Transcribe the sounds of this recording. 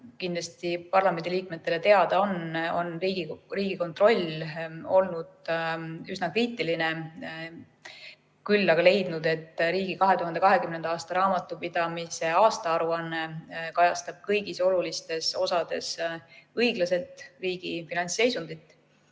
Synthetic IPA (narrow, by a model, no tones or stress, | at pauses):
kind̪lɑst̪ipɑrlɑme̞nd̪iliːk̚met̪ːˑe̞le̞t̪e̞ɑd̪̥ɑo̞no̞nriːɡ̥iriːɡ̥iko̞nt̪ˑro̞lʲo̞lnud̪̥ | ysnɑkriːt̪ːˑiline̞ | kylːɑɡɑle̞jd̪̥nud̪̥e̞t̪ːɾiːɡ̥ikɑɦe̞t̪uɦɑnd̪e̞kɑɦe̞kymne̞nd̪ɑɑːst̪ɑɾɑːmɑt̪ːˑupid̪̥ɑmise̞ɑːst̪ɑɑɾuɑnːe̞kɑjɑst̪ɑb̥̚kɤjɡ̥iso̞lulist̪e̞so̞sɑd̪̥e̞̰sɤjɡ̥lɑse̞lt̪ːˑriːɡ̥ifinɑnʲse̞jsund̪̥it̪ːˑ